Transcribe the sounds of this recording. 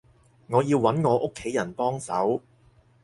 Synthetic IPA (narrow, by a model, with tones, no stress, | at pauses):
ŋɔː˨˧jiː˧wːɐ˨˥nŋɔː˨˧ʔʊ˥kʰːe˨˥jːɐ˨˩npɔː˥ŋsɐ˨˥w